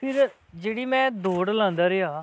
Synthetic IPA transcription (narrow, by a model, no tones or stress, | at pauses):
pʰɪɾ | d͡ʒeːɽiːmɛ̃ːd̪oːɽlãːnd̪aːɾeaː